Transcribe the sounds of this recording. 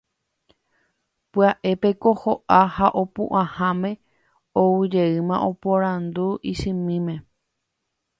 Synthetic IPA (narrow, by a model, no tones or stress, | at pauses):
pɨaʔe̞pe̞ko̞hoʔahaʔopṵ̃ʔãhãmẽ̞ | owɨd͡ʒe̞ɨmãʔo̞poɾãnd̪uʔisɨ̃mĩmẽ̞